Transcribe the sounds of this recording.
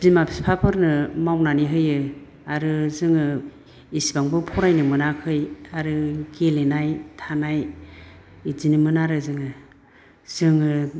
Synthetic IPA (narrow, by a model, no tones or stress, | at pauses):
b̥imapʰi̥spʰapʰɯɾnɯmawnaniɦɯjɯ | aɾɯzɯŋɯ | isibaŋbɯpʰɔɾajnɯmɯnakʰɯjaɾɯɡelenajtʰanaj | izinɯmɯnaɾɯzɯŋɯ | z̥ɯŋɯ